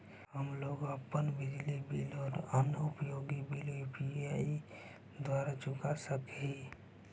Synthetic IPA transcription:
ɦəmloːɡəpːənbɪd͡ʒlibilɔːɾənʊpjoɡibilupiai | d̪waɾat͡ʃʊkasəkɦi

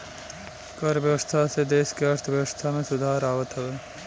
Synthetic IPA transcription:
kəɾʋjɐʋəst̪ʰased̪eːʃkeəɾt̪ʰəʋjəʋəst̪ʰamẽsʊd̪ʱaːɾaːʋət̪ɦɐʋeː

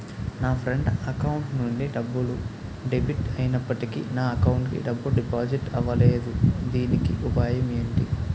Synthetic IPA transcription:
naːpʰɾeɳɖɐkɐwuɳʈnuɳɖiɖɐbːulu | ɖebiʈɐjinɐpːɐʈikḭnaːɐkɐwuɳʈkḭɖɐbːulɖipaːd͡ʒiʈɐʋɐleːd̪ud̪iːnikiʔupaːjɐmeːɳʈi

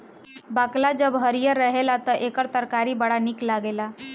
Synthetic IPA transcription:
baklad͡ʒəbɦəɾijəɾəɦelat̪əʔekəɾt̪əɾkaɾibəɽanɪklaɡela

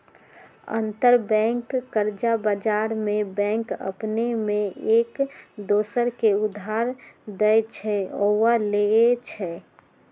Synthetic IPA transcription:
ə̰nt̪əɾbɛ̃ŋkːəɾd͡ʒabad͡ʒaɾmẽbɛ̃ŋkə̰pnemẽʔeːkd̪oːsəɾkeʊd̪ʱaɾd̪ɛjt͡ʃʰɛowaleet͡ʃʰɛ

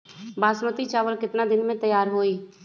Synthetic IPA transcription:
baːsmət̪it͡ʃaːʋəlkɪt̪nad̪ɪnmẽt̪əjaːɾɦoːiː

